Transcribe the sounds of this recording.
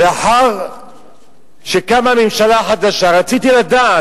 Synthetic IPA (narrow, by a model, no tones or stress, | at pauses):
beaħaʁ | ʃekamamemʃalaħad̪aʃaʁat͡sit̪ilad̪aː